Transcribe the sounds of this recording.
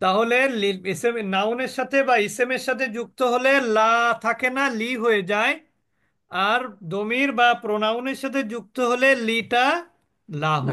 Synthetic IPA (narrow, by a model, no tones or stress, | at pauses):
t̪aɦoleliesemnawneɾʃat̪ʰebaisemeɾʃat̪ʰed͡ʑuk̚t̪oɦolelat̪ʰakenaliɦoed͡ʑae | aɾd̪omiɾbapɾonawneɾʃat̪ʰed͡ʑuk̚t̪oɦoleliʈa | laɦo̰e